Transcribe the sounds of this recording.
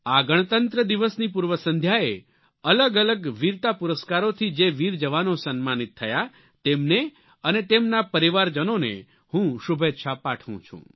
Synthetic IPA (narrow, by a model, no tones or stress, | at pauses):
aɡəɳ̃t̪ənt̪ɾəd̪iʋəsnipuɾʋəsə̃nd̪ʱjae | ələɡələɡʋiɾt̪apuɾəskaɾot̪ʰid͡ʒeʋiɾd͡ʒəʋanosənmanit̪ʰːəja | t̪emne | ənet̪emnapəɾiʋaɾd͡ʒənonḛ | hũʃubʱet̪ːʃʰapaʈʰʋṵ̃t͡ʃʰṵ̃